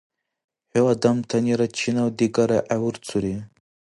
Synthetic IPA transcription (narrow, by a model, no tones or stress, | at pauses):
howad̪amt̪ʰaniɾat͡ɕʰinawd̪iɡaɾaʔawuɾt͡suɾi